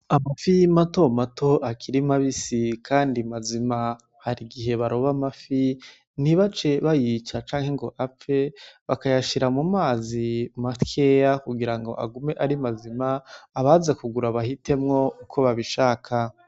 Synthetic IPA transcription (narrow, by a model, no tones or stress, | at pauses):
amafimato̞matʰo̞ʔakʰiɾimaβisikʰaːndimazima | haɾiɡiɦe̞βaɾo̞βamafi | niβat͡ʃe̞βajit͡ʃat͡ʃaːŋhe̞ŋɡo̞ʔap͡fe̞βakajaʃiɾamumaːzimatkʰe̞jakuɡiɾaŋɡo̞̰ʔa̰ɡume̞ʔaɾimazimaːβazakuɡuɾaβahite̞mŋo̞ukʰo̞βaβiʃaːkʰa